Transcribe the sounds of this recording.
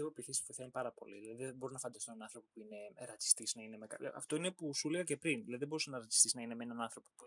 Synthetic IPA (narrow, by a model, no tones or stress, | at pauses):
iɣopiθisfoθenipɐɾɐpo̰liðilɐðiðebo̞ɾinɐfɐnd̪ɐst̪onɐnɐnθɾo̞po̞puine̞ɾɐt͡si̥st̪isnɐine̞mekɐɐ̰ft̪o̞inepusuliɣɐce̞pɾinðilɐðiðebo̞ɾusɐnɐɾɐt͡si̥st̪isnɐine̞menɐnɐnθɾo̞popu